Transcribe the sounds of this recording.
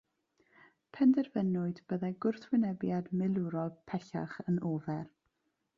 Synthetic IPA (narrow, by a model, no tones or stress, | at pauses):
pʰɛndɛrvənʊɨdb̥əðɛɡʊrθwɪnɛbjadmɪlˠuɾɔlˠpʰɛɬa̰χənoːvɛr